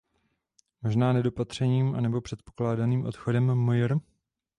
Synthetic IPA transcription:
mo̞ʒnaːnɛdo̞pat̪r̝̥ɛɲiːmʔa̰nɛbo̞pr̥ɛt̪̚poklaːdaniːmʔo̞t̪xodɛmːojɾ

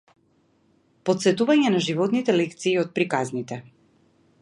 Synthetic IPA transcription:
pɔt̪sɛt̪uvaɲɛnaʒivɔt̪nit̪ɛlɛkt̪siːɔt̪̚pɾikaznit̪ɛ

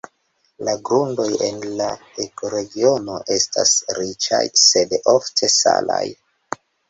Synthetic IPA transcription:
laɡɾundo̞je̞nla | ekoɾe̞ɡio̞no̞ʔe̞stʰa̰sɾit͡ʃa̰jse̞doftʰe̞sa̰laj

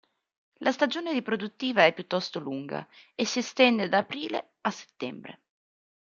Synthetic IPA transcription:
lʔast̪ad͡ʒoːneɾipɾod̪ut̪ːiːvaɛpːjut̪ːɔst̪oluŋɡa̰esːiest̪ɛnd̪ed̪aːpɾiːlḛ | asːe̥t̪ːɛmbɾḛ

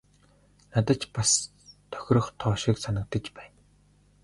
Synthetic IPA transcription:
nat̪ə̆t͡ɕpas | t̪ʰœ̥xʲɾɞ̆χt̪ʰɔːʃiksanə̆k̚t̪ə̆t͡ɕpæːn

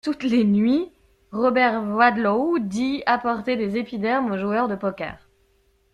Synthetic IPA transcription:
t̪ut̪lenɥi | ʁɔbɛʁwad̪lod̪iapɔʁt̪ed̪ezepid̪ɛʁmoʒuœʁd̪əpɔka̰ːʁ

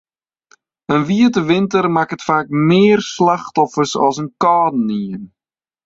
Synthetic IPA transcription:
ənʋiətəʋɪntərmakətfaːkmɪːrslaχtɔfərsɔ̰sənkɑːdn̩iən

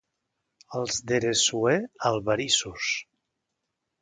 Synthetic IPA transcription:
əlˠzd̪eɾesuealˠβaɾisus

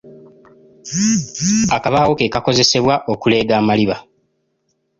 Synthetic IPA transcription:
akaβawo̞ke̞ːkako̞ze̞se̞βwaʔokule̞ːɡaːmaliβa

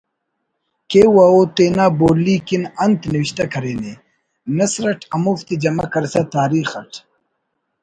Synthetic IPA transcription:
kewaot̪eːnaːboːlːikinɐnt̪niwiɕt̪ɐkɐɾeːne | nɐsɾɐʈʰɐmuft̪id͡ʑɐmɐkɐɾsɐt̪aːɾiːxɐʈ

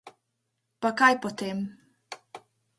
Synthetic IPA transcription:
pakajpɔt̪em

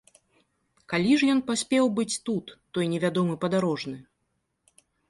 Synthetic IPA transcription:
kalʲiʐjɔnpasʲpʲɛwbɨt͡sʲt̪ut̪ːɔjnʲɛvʲad̪ɔmɨpɐd̪aɾɔʐnɨ

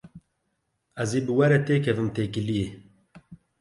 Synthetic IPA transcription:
æzeːbɨwɛɾɛt̪eːkʰɛvɨmt̪eːkɨlije

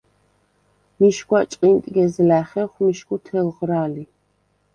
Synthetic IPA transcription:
miʃɡwat͡ʃʼqʼint̪ʼɡɛzlæχɛχmiʃkut̪ʰɛlʁɾaːli

